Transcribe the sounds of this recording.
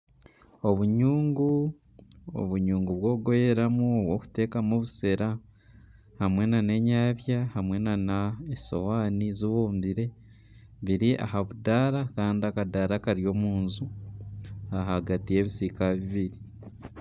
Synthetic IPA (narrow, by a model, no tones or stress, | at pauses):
o̞βuɲuːŋɡu | o̰βuɲuːŋɡuβwo̞ːɡo̞jeɾamuoβwo̞ku̥te̞ːkamuβuse̞ɾa | hamwe̞nane̞ɲaːβjahamwe̞nanaeso̰waːnizuβoːmbiɾe̞ | βiɾiʔa̰ɦaβudaːɾakaːndiakadaːɾakaɾjo̞ːmuːnzu | aɦaɡatije̞βisikaβiβiɾi